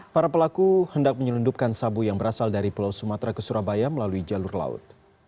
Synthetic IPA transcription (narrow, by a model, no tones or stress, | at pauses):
paɾapəlakuhəndak̚məɲələndup̚kansabujaŋbəɾasaldaɾipəlawsumat̪ɾakəsuɾabajaməlaluid͡ʒalʊrla̰ʊ̰t̪̚